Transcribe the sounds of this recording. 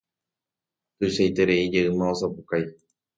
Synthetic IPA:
t̪ɨʃajt̪e̞ɾe̞id͡ʒeɨmãosapukaj

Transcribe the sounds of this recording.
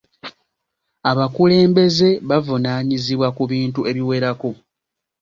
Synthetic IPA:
aβakule̞ːmbe̞ze̞βavunaːɲiziβwakuβiːntue̞βiwe̞ɾako̞

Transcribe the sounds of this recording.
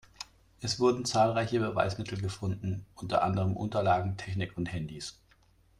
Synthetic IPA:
ʔɛsv̥ʊɐdn̩t͡saːlʁaɪçəbəva̰ɪsmɪtʰl̩ɡəfʊndn̩ʔʊntɐ̰ʔa̰ndəʁəmʔʊ̰ntɐlaːɡŋ̩tʰɛçnɪkʊnthɛndis

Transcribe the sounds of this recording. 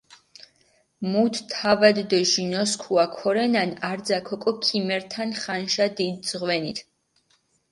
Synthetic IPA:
mut̪ʰt̪ʰavad̪ːɛʒinɔskʰuakʰɔɾɛnanaɾd̪zakʰɔkʼɔkʰimɛɾt̪ʰanχanʃad̪id̪̚zʁwɛnit̪ʰ

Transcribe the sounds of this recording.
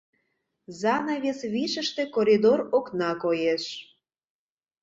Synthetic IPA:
zɑnɑβʲesβiʃəʃt̪ekoɾʲid̪oroknɑkojeʃ

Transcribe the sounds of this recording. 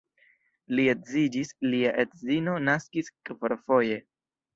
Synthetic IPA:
lietzid͡ʒisliaʔetzino̞naskiskefoɾfo̞je̞

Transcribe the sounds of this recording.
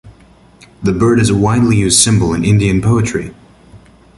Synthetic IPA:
ðɨbɜ˞ɾɨzəwaɪdˡlijʉzd̥sɪ̃mbəlˠə̃nɪ̃ndiɨ̃npʰoʊɨt͡ʃɹ̥ḭ

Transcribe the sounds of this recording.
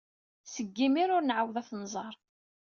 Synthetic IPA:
səɡːimiɾʊɾnʕawðæθnzˤɑɾˤ

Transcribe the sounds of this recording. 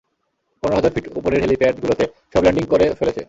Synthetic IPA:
pɔneɾoɦɔd͡ʑaɾfiʈopoɾeɾɦelipeaʈɡulot̪e | ʃɔblaɳɖiŋkoɾefelet͡ɕʰḛ

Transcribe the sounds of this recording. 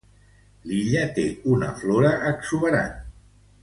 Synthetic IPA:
liʎət̪eunə̰floɾəʔːksuβəɾa̰n

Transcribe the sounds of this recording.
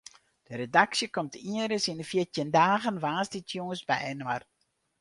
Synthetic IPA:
d̥əɾedaksjəkɔmtʰiəɾəsinəfiətjəndaːɣənʋaːsditjoŋəsbɛjnwar

